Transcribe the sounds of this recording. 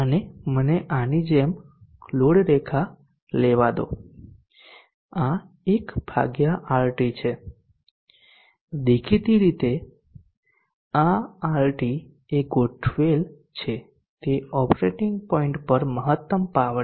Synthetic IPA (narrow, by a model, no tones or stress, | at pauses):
əneməneʔanid͡ʒem | kʰloɽɾekʰa | leʋad̪o̰ | a | ekb̥ʱa̰ɡjaʔaɾʈit͡ʃʰe | d̪ekʰit̪iɾit̪e | aaɾʈi | eɡoʈʰʋel | t͡ʃʰe | t̪eɔpɾeʈiŋɡpɔiɳʈpəɾməɦət̪ːəmpaʋ